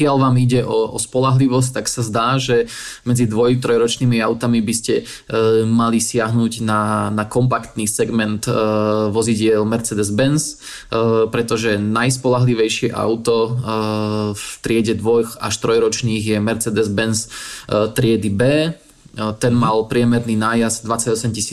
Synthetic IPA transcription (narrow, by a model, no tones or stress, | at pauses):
kɪalʋaːmiɟɛʔɔɔspɔlaɦliʋɔs̬c̚t̪aksazd̪aːʒɛ | mɛd͡zid̪ʋɔjt̪ɾɔjɾɔt͡ʃniːmiaʊt̪amibiscɛ | malisɪaɦnuɟnanakɔmpakt̪niːsɛɡmɛnt̪ʋɔziɟɪɛlmɛɾt͡sɛd̪ɛzbɛns | pɾɛt̪ɔʒɛnajspɔlaɦliʋɛjʃɪɛʔa̰ʊt̪ɔ | ft̪ɾɪɛɟɛd̪ʋɔjxa̰ʃt̪ɾɔjɾɔt͡ʃniːɣjɛmɛɾt͡sɛd̪ɛzbɛnst̪ɾɪɛd̪ibɛː | t̪ɛnmalpɾɪɛmɛɾniːnaːjazd̪ʋat͡saɟɔsɛmcisiː